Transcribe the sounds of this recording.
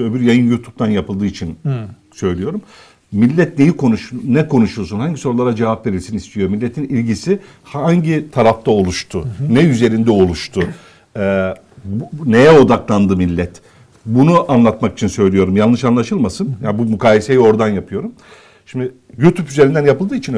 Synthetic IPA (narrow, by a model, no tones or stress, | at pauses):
øbiɾjajɯnjut̪ʰup̚t̪ʰanjapɯlˠd̪ɯːit͡ʃʰin | sø̞jlʲijo̞ɾum | milʲːɛt̪̚ne̞jikʰo̞nuʃnːɛkʰo̞nuʃuɾsunhaɲɟiso̞ɾulˠaɾad͡ʒevapve̞ɾilʲsinist̪ʰijo̞ɾmilʲːe̞t̪ʰinilʲɟisi | haɲɟit̪ʰaɾaft̪ʰao̞lˠuʃt̪ʰʊnɛyze̞ɾind̪ɛo̞lˠuʃt̪ʰʊ | ɛ | ne̞jɛo̞d̪aklˠand̪ɯmilʲːɛt̪ | bunuʔanlˠat̪maki̥t͡ʃʰinsø̞jlʲijo̞ɾumjalˠɯʃanlˠaʃɯlˠmasɯnjanbumukʰaːjesejio̞ɾd̪anjapʰɯjo̞ɾum | ʃimd̪ɪ | jut̪ʰupyzeɾind̪ænjapɯlˠd̪ɯːit͡ʃʰin